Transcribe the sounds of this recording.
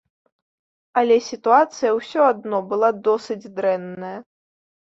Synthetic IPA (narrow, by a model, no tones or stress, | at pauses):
ɐlʲɛsʲit̪uat̪sɨjɐwsʲɔad̪nɔbɨlˠad̪ɔsɨd͡zʲd̪ɾɛnːɐjɐ